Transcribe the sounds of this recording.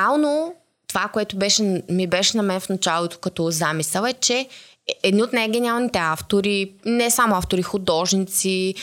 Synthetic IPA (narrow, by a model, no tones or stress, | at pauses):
alˠno | t̪ovakoɛt̪ʊbɛʃɛmibɛʃɛnɐmɛnfnɐt͡ʃalˠot̪o̥kɐt̪ɔzamisəlˠɛt͡ʃɛ | ɛd̪niot̪najɡʲɛnialˠnit̪ɛaft̪oɾinɛsamoaft̪oɾixʊd̪ɔʒnit̪si